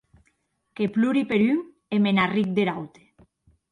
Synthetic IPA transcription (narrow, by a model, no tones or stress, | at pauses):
kepluɾipeɾyŋ | emenarik̚d̪eɾawt̪e̥